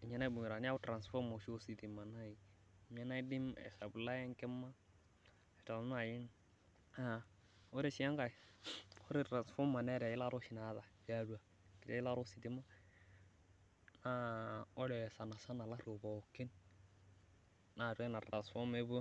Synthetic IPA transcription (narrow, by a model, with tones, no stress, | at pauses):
i˨ɲa˦na˦bu˨ɲ˨ɾa˨ni˦a˦u˦tɾa˨nsfɔ˦mo˨ʃo˦si˨ti˨ma˨na˦ji˨ | ɲa˦na˦i˦di˦mɛ̰˨sa˨bu˨la˦jɛ˦ŋkɛ˦mːa˦ | e˨ta˨nsa˨ji˦n | a˦˨ | o˦ɾi˦ʃi˨˦a˦ŋka˨i˨o˦ɾi˦tɾa˨nsfɔ˦mːa˨nɛ˦ɾa˨ji˦la˦ɾo˦ʃi˨na˨˦ða˨ba˦˨du˦a˨ | ki˨ta˦i˦la˦ɾo˦si˨ti˦ma˦ | na˦o˦ɾɛ˨sa˨na˨sa˦na˨la˦ɾo˨bo˨ki˦n | na˨ɾʷɛ˦na˨tɾa˨sfɔ˦me˦bu˦